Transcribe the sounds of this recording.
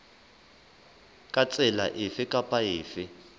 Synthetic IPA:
kʼat͡sʼɛla̰ʔɪfɪkʼapʼajɪːfɪ

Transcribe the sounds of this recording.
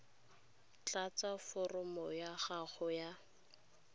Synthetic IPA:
t͡ɬʼat͡safɔrɔmɔjaχaχɔja

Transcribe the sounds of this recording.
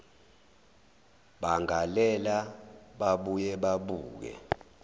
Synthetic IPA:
ɓaŋalɛlaɓaɓujɛɓaɓuːk̬ɛ̰

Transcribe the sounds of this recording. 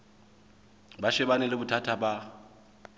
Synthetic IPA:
baʃɛbanɪlɪbʊtʰatʰaba

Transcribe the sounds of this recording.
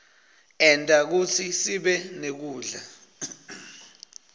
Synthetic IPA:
ɛntʼak̬ut͡sʰisiɓɛnek̬uːɮa̰

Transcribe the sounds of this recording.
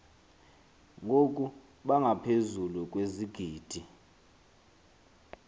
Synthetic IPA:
ŋʱokʼu | ɓaŋɡʱapʰezulukʼweziɡ̥ʱiːd̥ʱi

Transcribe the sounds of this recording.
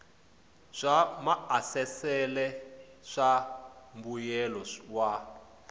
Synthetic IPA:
ʂamaasɛsɛlɛ | ʂambujɛlɔwa

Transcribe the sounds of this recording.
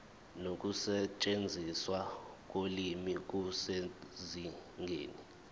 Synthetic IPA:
nok̬ʼusɛt͡ʃʼend͡zʱiswak̬ʼolimik̬useziŋʱḛːni

